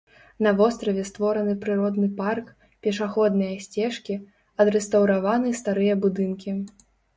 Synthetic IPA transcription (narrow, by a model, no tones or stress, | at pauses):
nɐvɔst̪ɾɐvʲɛst̪vɔɾɐnɨpɾɨɾɔd̪nɨpark | pʲɛʂaxɔd̪nɨjɐsʲt͡sʲɛʂkʲi | ɐd̪ɾɛst̪ɐwɾavanɨst̪aɾɨjɐbud̪ɨnkʲi